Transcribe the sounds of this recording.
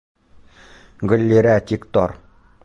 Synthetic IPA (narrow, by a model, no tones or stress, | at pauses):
ɡɵ̆lʲːeɾæt̪ikt̪ɔ̰ɾ